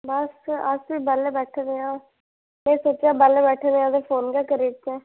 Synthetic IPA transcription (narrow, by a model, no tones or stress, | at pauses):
bəsəsʋiːbəlebɛːʈʰːd̪eːãː | mɛ̃ːsoːt͡ʃaːbəlebɛːʈʰːd̪eːãːd̪epʰoːnɡɛːkəɾeːt͡ʃɛ̃ː